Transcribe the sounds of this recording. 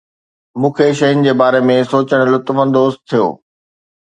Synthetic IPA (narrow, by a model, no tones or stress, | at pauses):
mũːkʰeʃɐɦʊnɪ̆d͡ʑeːbaːɾemẽsoːt͡ɕəɽ̃lʊt̪ʋə̃nd̪oːst̪ʰijo̰ː